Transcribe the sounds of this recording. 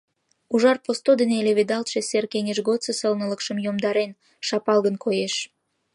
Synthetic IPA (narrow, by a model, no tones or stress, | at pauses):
uʒɑrpost̪od̪eneleβed̪ɑlt̪ʃeserkeŋeʃɣot̪t͡səsəlnələkʃəmjomd̪ɑɾen | ʃɑpɑlɣənkʰojeʃ